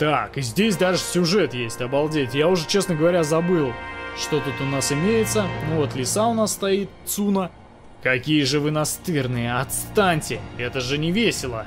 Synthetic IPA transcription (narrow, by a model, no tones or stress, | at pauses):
t̪akɨzʲdʲesʲd̪aʐɨsʲʊʐɛt̪jesʲtʲɐbɐlˠdʲetʲjaʊʐɛt͡ɕe̞snəɡəvɐɾʲazɐbɨlˠʂt̪ot̪ut̪ʊnasɪmʲejɪt̪sənuvot̪lʲɪsaʊnasːt̪ɐit̪̚t̪sunə | kɐkʲijəʐɨvɨnɐst̪ɨrnɨjəɐt̪st̪anʲtʲɪɛt̪əʐɨnʲɪvʲesʲɪlˠə